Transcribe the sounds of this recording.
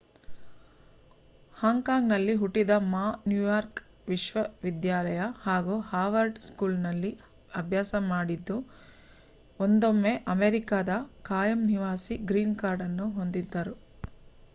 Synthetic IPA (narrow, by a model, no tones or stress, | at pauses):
haːŋkaːŋɡnɐlːiɦuʈːid̪ɐmaːnjujaːɾk | ʋiʃʋɐʋid̪jaːlɐjɐhaːɡuhaːʋɐɾɖskuːlnɐlːi | ɐbʱjaːsɐmaːɽid̪ːu | ond̪omːe̞ʔɐmeɾikaːd̪ɐkaːjɐmniʋaːsiɡɾiːnkaːɾɖɐnːuɦo̞nd̪id̪ːɐɾu